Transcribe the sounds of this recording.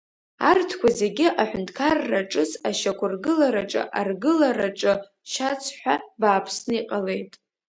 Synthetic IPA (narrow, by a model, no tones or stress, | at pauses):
artʰkʷʰazeɡʲɪʔaħʷᶣʊntʰkʰarːaʈ͡ʂʼɨsaʃakʷʰʊrɡɨlaɾaʈ͡ʂʼɨ̰ʔarɡɨlaraʈ͡ʂʼɨ | ʃat͡sʰħʷᶣabaːpʰsnɨiqʼale̞jtʼ